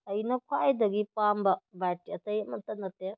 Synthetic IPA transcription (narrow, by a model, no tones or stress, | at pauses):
ɐjnɐkʰwaajd̪ɐɡipambɐbajtiɐt̪ɐet̚mɐnt̪ɐnɐt̪e